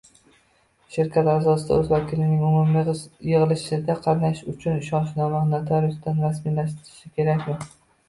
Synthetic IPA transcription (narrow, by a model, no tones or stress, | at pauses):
ʃɪɾkʲʰat̪azɒsɪd̪a̰ɵzvakʲʰɪlɪnɪŋʊmʊmlijɨʁɨlˠɪʃɪd̪aqʰɑɾnaʃʊt͡ʃʰʊnʃɒnʃnɒmanat̪ʰɒɾosd̪anɾasmilaʃt̪ɪɾɪʃɪkʲʰe̞ɾakʲmɪ